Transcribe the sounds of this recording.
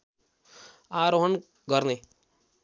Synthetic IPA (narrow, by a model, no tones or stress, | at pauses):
aːɾoɦən | ɡəɾneː